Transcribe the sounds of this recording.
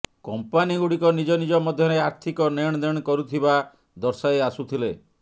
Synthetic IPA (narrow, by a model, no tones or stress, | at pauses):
kɔmpaniɡuɽikɔnid͡ʒɔnid͡ʒɔmɔd̪ʱjɔɾeaɾt̪ʰikɔneɽ̃ɔd̪eɽ̃kɔɾut̪ʰiba | d̪ɔɾsaeasut̪ʰile